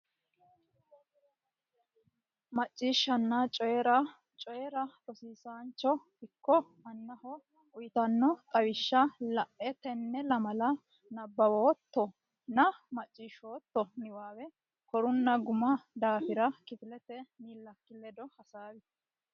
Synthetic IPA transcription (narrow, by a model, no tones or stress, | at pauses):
mɐt͡ʃʼːiːʃːɐnːat͡ʃʼɔɛɾɐ | t͡ʃʼɔjɛɾɐɾɔsiːsaːnt͡ʃːɔ | ɪkːɔmɐnːɐhɔ | ʔʊjt̪ɐnːɔt̪ʼɐwɪʃːɐlɐʔʔɛt̪ɛnːɛlɐmɐlɐ | nɐbːɐwoːt̪ːɔ | nɐmɐt͡ʃʼːiːʃoːt̪ːɔnɪwaːwɛ | kɔɾʊnːɐɡʊmɐd̪aːfɪɾɐkɪt̪ɪlɛt̪ɛniːlːɐkːɪlɛd̪ɔhɐsaːwɪ